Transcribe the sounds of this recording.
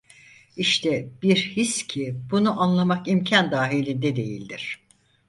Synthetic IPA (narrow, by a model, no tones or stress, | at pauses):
iʃt̪ʰɛbiɾhiscʰibunuʔanlˠamakimcʰand̪aːɦilʲind̪ɛd̪e̞jilʲd̪iɾ̝̥